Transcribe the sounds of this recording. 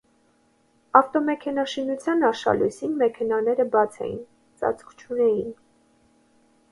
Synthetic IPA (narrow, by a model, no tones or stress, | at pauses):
ɑft̪ɔmɛkʰɛnɑʃinut͡sʰjɑnɑʃɑ̰lusinmɛkʰɛnɑnɛɾəbɑt͡sʰɛ̰jḭn | t͡sɑ̰t͡sʰkʰt͡ʃʰunɛjin